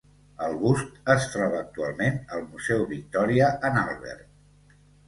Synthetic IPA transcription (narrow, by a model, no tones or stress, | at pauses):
əlˠɣust̪əsfɾaβəːk̚t̪ualˠmenəlˠmuzɛwβik̚t̪ɔɾiəʔənalˠβɛ̰rt̪̚